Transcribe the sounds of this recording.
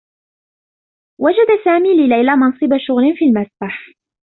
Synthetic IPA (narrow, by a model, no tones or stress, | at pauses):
wad͡ʒad̪asaːmiːlɪlajlamɑnsˤɨbaʃʊɣlɪnfiːlmasbaħ